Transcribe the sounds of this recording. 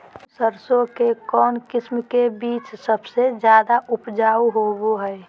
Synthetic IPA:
səɾsõkekɔːnkɪsmkebiːt͡ʃsəbsed͡ʒjaːd̪aʔʊpd͡ʒaːuɦoboɦɛ

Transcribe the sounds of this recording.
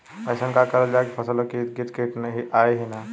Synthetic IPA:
əsənkakəɾəld͡ʒakipʰəsəlokiɡit̪keʈnəɦiʔajɦina

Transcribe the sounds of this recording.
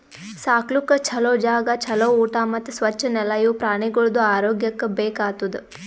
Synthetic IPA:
saːklukɐt͡ʃʰɐlɐːd͡ʒaːɡɐt͡ʃʰɐlɐuːʈamɐt̪ːusʋɐt͡ʃːɐnɛlɐjuːpɾaːɳiɡoɭud̪uaːɾoːɡjɐkːɐbeːkaːt̪ud̪u

